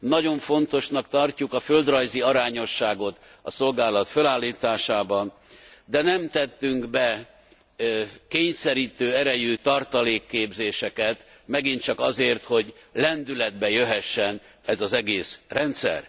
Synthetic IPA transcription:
nɒɟo̞ɱfo̞nt̪o̞ʃnɒkt̪ɒrcukɒføld̪rɒjziɒɾaːɲo̞ʃːaːɡo̞t̪ | ɒ̰so̞lɡaːlɒt̪følaːlːiːt̪aːʃaːbɒnd̪ɛnɛmt̪ɛt̪ːyŋɡbɛ | keːɲsɛɾiːt̪øːɛɾɛjyt̪ɒrt̪ɒleːkːeːbzeːʃɛkɛt̪ | mɛɡint̪t͡ʃɒkɒzeːrt̪ho̞ɟlɛnd̪ylɛd̪̚bɛjøɦɛʃːɛn | ɛzɒzɛɡeːsrɛnt̪sɛ̰r

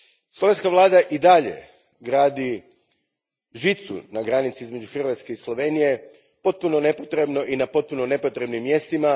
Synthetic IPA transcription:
slo̞ʋe̞nskaʋlˠaːd̪aʔid̪aʎe̞̰ | ɡɾaːd̪i | ʒit̪sṵnaɡɾanit̪siizme̞d͡ʒuxr̩ʋat̪ske̞islˠo̞ʋe̞nije̞ | po̞t̪̚puno̞ne̞po̞t̪ɾe̞bno̞ʔinapo̞t̪̚puno̞ne̞pot̪ɾe̞bnimːje̞st̪ima

